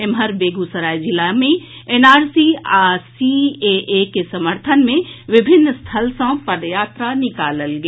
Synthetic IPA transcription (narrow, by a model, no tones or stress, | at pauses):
emɦəɾbeːɡusəɾaːjd͡ʒɪlamẽeːnaːɾsiaːsieʔekesɐməɾt̪ʰənmẽʋɪbʱɪnːst̪ʰəlsə̃pɐd̪jaːt̪ɾanɪkaːləlɡe